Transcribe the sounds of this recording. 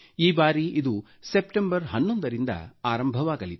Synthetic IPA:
iːbaːɾiid̪u | sepʈembɐɾɦɐnːond̪ɐɾind̪ɐ̰aːɾɐmbʱɐʋaːɡɐlit̪u

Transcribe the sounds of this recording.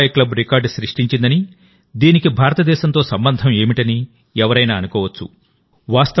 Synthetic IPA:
jɐklɐbɾikaːɾɖʃɾiʂʈiɲt͡ʃind̪ɐni | d̪iːnikibʱaːɾɐt̪ɐd̪ɛːʃɐnt̪o̞ːsɐmbɐnd̪ʱɐme̞ːmiʈɐni | ɛʋɐɾɐjnaːnukɔːʋɐt͡ʃːṵ | ʋaːst̪ɐ

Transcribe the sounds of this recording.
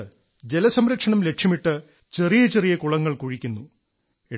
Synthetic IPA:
d͡ʑelɐsɐmɾɐkʂɐɳɐmle̞kʂjɐmiʈːɨ | t͡ɕe̞rijɐt͡ɕe̞rijɐkuɭɐŋːɐɭkuɻikʲːunːu | e

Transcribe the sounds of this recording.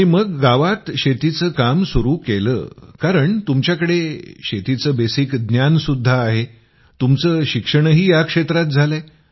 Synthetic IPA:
iməɡːaʋat̪ɕet̪it͡səkamsuɾuːkelə̰ːkaɾəɳt̪umt͡ɕjakəɽeɕet̪it͡səːbesikd̪njansud̪ʱːaːɦe | t̪umt͡səːɕikʂəɳəɦiːjakʂet̪ɾat̪̚d͡zʱale

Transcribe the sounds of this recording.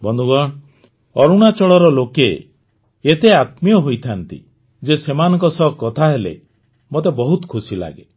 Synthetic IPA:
bɔnd̪uɡɔɽ | ɔɾuɽ̃at͡ʃɔɽɔɾɔlokeː | t̪eat̪mijɔɦojt̪ʰant̪ḭ | d͡ʒesemanɔ̃ŋkɔsɔkːɔt̪ʰaɦelḛ | mot̪ebɔɦut̪kʰusila̰ɡe

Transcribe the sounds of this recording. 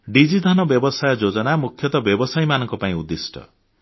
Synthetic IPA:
ɖid͡ʒid̪ʱanɔbjɔbɔsajɔd͡ʒod͡ʒɔnamukʰːjɔt̪ɔbjɔbɔsajmanɔŋkɔpaĩud̪ːisʈɔ̰

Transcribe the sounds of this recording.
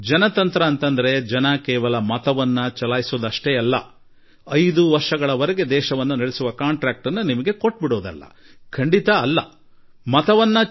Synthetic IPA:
d͡ʒɐnɐt̪ɐnt̪ɾɐːnt̪ɐnd̪ɐɾe̞d͡ʒɐnɐkɛːʋɐlɐmɐt̪ɐʋɐnːɐt͡ʃɐlaːjisoːd̪ɐʂʈeɐlːɐ̰ | ɐjd̪uʋɐɾʂɐɡɐɭɐʋɐɾeɡe̞d̪ɛːʃɐʋɐnːunɐɽesuʋɐkaːɳʈɾaːk̚ʈɐnːɐnimɐɡe̞ko̞ʈ̚ːbiɽoːd̪ɐ̰lːɐ̰ | kʰɐɳɖit̪ɐːlːɐ | mɐt̪ɐʋɐnːɐ

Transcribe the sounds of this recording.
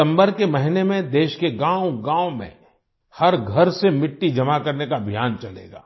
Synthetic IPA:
ə̃mbəɾkemɐɦɪnemẽd̪eːʃkeɡãːʊɡãːõmḛ̃ | hɐɾɡʱɐɾsemɪʈːid͡ʒɐmakɐɾnekabʱijaːnt͡ʃɐlḛːɡa̰ː

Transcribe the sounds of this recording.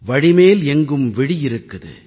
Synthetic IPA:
ʋɐɻɪmeːlɛŋɡɯmʋɪɽɪjɪɾɯkːɐðɯ̰

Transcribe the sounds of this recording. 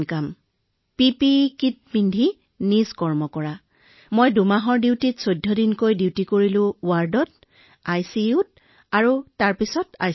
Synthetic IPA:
nkam | pipikit̚bindʱi | nizkɔɹmɔkɔɹa | mojdumaɦɔɹdiwtitsojdʱːɔdinkojdiwtikoɹilʊ̃waɹdɔt | ajsiut̚ | aɹutaɹpisɔta̰j

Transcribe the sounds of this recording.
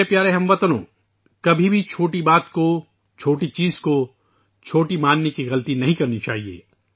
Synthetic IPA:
epjaːɾeɦɐmʋɐt̪nõ̰ː | kɐbʱibʱit͡ʃʰoːʈibaːt̪ko | t͡ʃʰoːʈit͡ʃiːzko | t͡ʃʰoːʈimãːnːekiɣɐlt̪inɐɦĩkɐɾnit͡ʃaːɦiḛː

